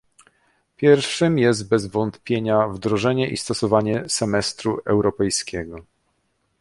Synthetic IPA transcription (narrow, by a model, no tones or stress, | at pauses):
pʲjɛɾfʂɘmjɛzt̪̚bɛzvɔnt̪pʲjeɲavd̪ɾɔʐɛɲɛʔḭst̪ɔsɔvaɲɛsɛmɛst̪ɾuʔɛwɾɔpɛjskʲɛɡɔ